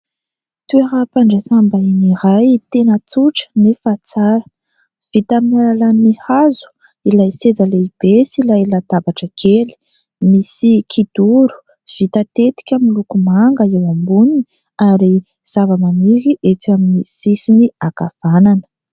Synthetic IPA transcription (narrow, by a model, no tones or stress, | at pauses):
t̪ueɾapaɳɖ͡ʐasambainiɾajt̪enət͡suʈ͡ʂə̥nifat͡saɾə̥ | v̥it̪aminalalanihazu̥ | ilajsed͡zaleib̥esilajlad̪abaʈ͡ʂəɡʰeli̥ | misikʰid̪̥uɾu̥ | v̥it̪ət̪et̪i̥kʲamilukumaŋɡəewambuni̥ | aɾi | z̥avəmaniɾiʔet͡saminisisiniakav̥ananə̥